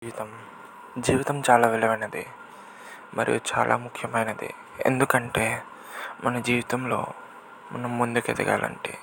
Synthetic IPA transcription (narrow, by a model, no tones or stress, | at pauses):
iʋit̪ɐm | d͡ʒiːʋit̪ɐmt͡ʃaːlaːʋɛlɐʋɐnɐd̪ḭ | mʔɐ̰ɾijṵt͡ʃa̰ːlʔa̰ːmukʰjɐmɐjnɐd̪ḭ | e̞̰nd̪ukɐɳʈe̞ː | mɐnɐd͡ʒiːʋit̪ɐmlo̞̰ː | mɐnːɐmːund̪uket̪ɛ̰ɡa̰ːlɐ̰ɳʈḭ